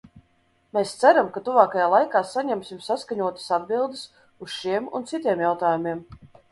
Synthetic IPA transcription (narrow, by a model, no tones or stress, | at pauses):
meːst̪sæɾamkat̪uvaːkajaːlˠajkaːsaɲɛmsʲimsaskaɲuɔt̪ḁsad̪bilˠd̪es | usʃiɛmṵnt̪sit̪ʲiɛmjawt̪aːjumʲiɛm